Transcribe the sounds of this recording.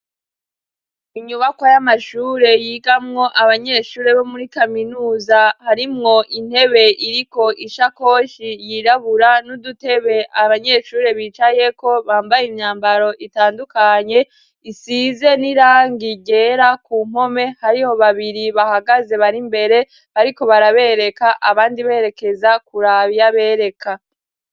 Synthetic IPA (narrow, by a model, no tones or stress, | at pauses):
iɲuβakwojamaʃuːɾe̞jiːɡamŋo̞ʔaβaɲe̞ːʃuːɾe̞βo̞muɾikaminuːzahaɾimŋo̞ʔin̥he̞βe̞ʔiɾiko̞ʔiʃako̞ːʃijiɾaβuɾanudute̞βe̞ʔaβaɲe̞ʃuːɾe̞βit͡ʃaje̞ko̞βaːmbajimɲaːmbaɾo̞ʔitaːndukaɲe̞ | isize̞niɾaːŋɡiɟe̞ːɾakuːm̥o̞me̞haɾiho̞βaβiɾiβahaɡaze̞βaɾimbe̞ɾe | βaɾiko̞βaɾaβe̞ːɾe̞kaʔaβaːndiβeːɾe̞ke̞zakuɾaβjaβe̞ːɾe̞kʰa